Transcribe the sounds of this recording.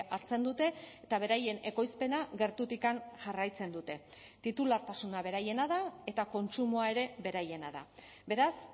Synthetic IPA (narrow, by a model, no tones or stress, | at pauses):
aɾt͡se̞nd̪ut̪e̞ː | t̪aβ̞e̞ɾaje̞ne̞ko̞jspe̞naɣe̞ɾt̪ut̪ikanʝarajt͡se̞nd̪ut̪e̞ | t̪it̪ulaɾt̪asunaβ̞e̞ɾaje̞naðae̞t̪ako̞nt͡sumoae̞ɾe̞be̞ɾaje̞naða̰be̞ɾas